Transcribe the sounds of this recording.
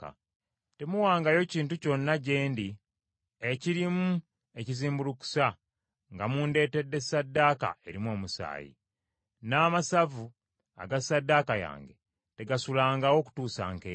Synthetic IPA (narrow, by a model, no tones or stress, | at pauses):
te̞muwaːŋɡajo̞ciːntuco̞nːaɟe̞ːndi | eciɾimu | e̞ciziːmbuluku̥sa | ŋɡamuːnde̞ːte̞dːe̞sadːaːka̰e̞ɾimo̞ːmusa̰ːjḭ | naːmasavu | a̰ɡasadːaːkaja̰ːŋɡḛ | te̞ɡasulaːŋɡawo̞ku̥tuːsa̰ːŋkeː